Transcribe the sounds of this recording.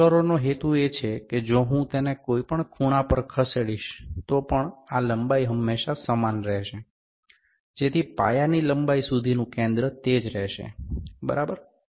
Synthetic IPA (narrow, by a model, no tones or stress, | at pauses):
əɾonoɦet̪uet͡ʃʰeked͡ʒoɦũt̪enekoipəɳkʰuñapəɾkʰəseɽiʃt̪opəɳaləmbaiɦəmːeʃasəmanɾɛʃe | d͡ʒet̪ʰipa̰janiləmbaisud̪ʱinũkẽnd̪ɾət̪ed͡ʒɾɛɦʃḛbə̰ɾabəɾ